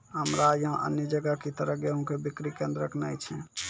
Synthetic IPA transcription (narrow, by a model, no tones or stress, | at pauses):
ɦəmɾajəɦə̃ʔə̰njəd͡ʒəɡakit̪əɾəɦɡeɦũkebikɾikẽnd̪ɾəkʰnajt͡ʃʰɛ